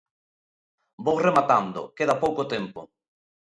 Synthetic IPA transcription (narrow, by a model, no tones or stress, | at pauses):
bowsremat̪and̪ʊ̰keðapowkot̪empʊ̰